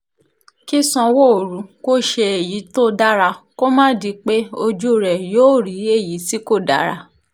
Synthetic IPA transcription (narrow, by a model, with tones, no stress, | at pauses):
ki˦sɔ̃˧wo˦o˨ɾũ˨˦ko˦ʃe˧e˨ji˨˦to˦da˦ɾa˧ko˦mã˦di˧˦k͡pe˦o˧d͡ʒu˦˨ɾɛ˨joː˦˨ɾi˨˦e˦˨ji˨˦si˦ko˦˨da̰˨˦ɾa̰˧